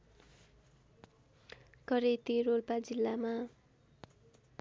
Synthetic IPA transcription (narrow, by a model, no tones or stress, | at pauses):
kʌɾet̪iɾolpad͡zilːama